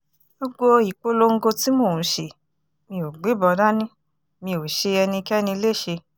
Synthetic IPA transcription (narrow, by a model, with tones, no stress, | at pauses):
bo˧ɡ͡bo˦i˨k͡po˦lo˧ŋ̩˦ɡo˧ti˨˦mo˦˨ũ˨ʃe˨ | mĩ˧o˨ɡ͡be˨˦bɔ˧da˦nĩ˦ | mĩ˧o˨ʃe˧ɛ˧nĩ˧kɛ˦nĩ˧le˦˨ʃe˧